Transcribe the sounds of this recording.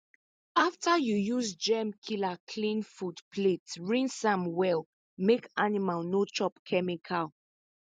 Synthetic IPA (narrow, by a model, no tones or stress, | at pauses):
aftajujusd͡ʒɛmkʰilakʰlĩnfudpʰletɹĩnsãmwɛl | mekanimalnot͡ʃɔpkʰɛmikʰal